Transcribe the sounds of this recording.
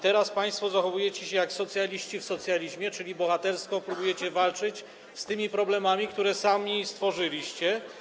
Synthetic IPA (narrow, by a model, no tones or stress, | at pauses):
t̪ɛɾaspaj̃st̪fɔzaxɔvujɛt͡ɕɛɕɛjaksɔt̪sʲjalʲiɕt͡ɕifsɔt̪sʲjalʲiʑmʲjɛt͡ʂɘlʲibɔxat̪ɛɾskɔpɾubujɛt͡ɕɛvalt͡ʂɘt͡ɕ | st̪ɘmʲipɾɔblɛmamʲikt̪uɾɛsamʲist̪fɔʐɘlʲiɕt͡ɕɛ